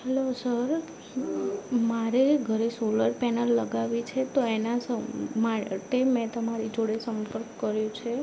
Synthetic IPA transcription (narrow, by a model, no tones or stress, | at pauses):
ɦɛlosəɾ | maɾeɡʱəɾesoləɾpɛnəlːəɡaʋit͡ʃʰet̪oenasəmaɾ̰t̪emɛ̃t̪əmaɾid͡ʒoɽesəmpəɾkːəɾjũt͡ʃʰe